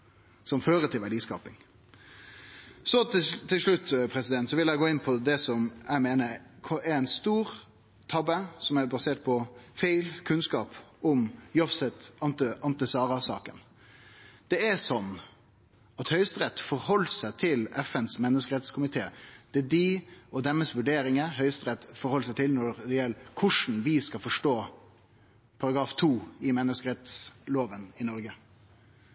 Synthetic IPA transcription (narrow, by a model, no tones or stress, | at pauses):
sɔmføːɾəʈ̪ʰɪlʋæɖiːskɑ̰ːpɪŋ | sɔt̪ʰːɪlʂɭʉt̪ːpʰɾɛsɪd̪ɛnt̪sɔʋɪljæɪɡoːɪnpʰɔd̪ɛsɔmæɪmeːnəkʰɔæɾɛɪnst̪uːɾ | t̪ʰɑbəsɔmæɾbɑseːʈ̚pʰɔfæɪlkʰʉnskɑːpʊmjɔfsɛt̪ɑnt̪əʔɑnt̪əsɑːɾɑsɑ̰ːkən | d̪̥ɛɛsɔnː | ɑt̪hœʏst̪ɾɛt̪ːfɔɾhɔlːsæɪt̪ʰɪlɛfɛnsmɛnːəskəɾɛt̪skʰʊmɪt̪ʰeːd̪̥ɛd̪iɔd̪ɛmːəsʋʉɖeːɾɪŋəɦœʏst̪ɾɛt̪ːfɔɾhɔlsæɪt̪ʰɪlnɔɾd̪ɛjɛlːkʰʊʂn̩ʋɪskɑfɔʂʈoː | pʰɑɾɑɡɾɑːft̪ʰuːɪmɛnːəskəɾɛt̪sloːʋənɪnɔɾɡə